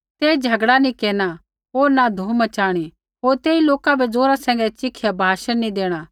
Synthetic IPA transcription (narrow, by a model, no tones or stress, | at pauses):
t̪eːd͡ʒʱɐɡɽanĩkeːña | ɦoːɾnad̪ʱoːmət͡ʃaːɽ̃i | ɦoːɾt̪eːiloːkabɛd͡zoːɾasɛ̃ːŋɡɛt͡ʃɪkʰːjabʱaːʃənnĩd̪eːɽ̃aː